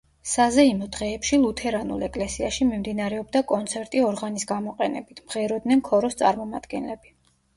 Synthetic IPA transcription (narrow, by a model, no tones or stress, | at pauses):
sazɛimɔd̪ʁɛːpʃilˠut̪ʰɛɾanṵlɛkʼlɛsiaʃimimd̪inaɾɛɔbd̪akʼɔnt̪sʰɛɾt̪ʼiɔɾʁanisɡamɔqʼɛnɛ̰bit̪ʰmʁɛɾɔd̪nɛnkʰɔɾɔst̪sʼa̰ɾmɔma̰d̪̥ɡɛnlɛbi